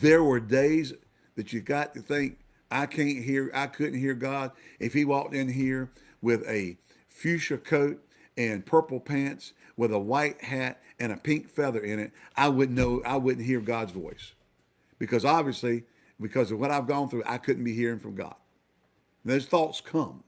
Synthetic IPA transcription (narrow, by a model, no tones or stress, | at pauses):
ðə˞wə˞deɪz | ðɨt͡ʃɨɡɑtʰɨθɪ̃ŋk | aɪkʰæ̃nt̚ɦiɹa̰ɪkʰʊdⁿn̩t̚ɦiɹɡɑɾʔɨfhiwɔk̚tɪ̃nɦiɹ | wɪðɨ | fjʉt͡ʃə˞kʰoʊɾ | ɨ̃npʰɜ˞pl̩ˠpʰæ̃nts | wəðəwaɪt̚hæɾ | ɨ̃ñɨpʰɪ̃ŋkfɛðə˞ɪ̃ñɪt̚ʔaɪwʊdⁿn̩noʊʔa̰ɪwʊdⁿn̩t̚ɦiɹɡɑdzvɔ̰ɪs | b̥ɨkʰʌzɑbviɨsli | bɨkʰʌzʌvwʌɾaɪvɡɔ̃nθɹʉʔa̰ɪkʰʊdⁿn̩b̥ihiɹɪ̃ŋfɹʌ̃mɡɑ̰d̥̩̚ | ðoʊz̥θɔtskʰʌ̃m